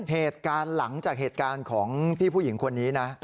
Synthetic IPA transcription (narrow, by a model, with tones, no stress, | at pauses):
ɦeː˨˩t̪̚kaː˧nla˩˦ŋt͡ɕaː˨˩k̚heː˨˩t̪̚kaː˧nkʰɔː˩˦ŋpʰiː˥˩pʰu˥˩ji˩˦ŋkʰo˧nːiː˦˥na˦˥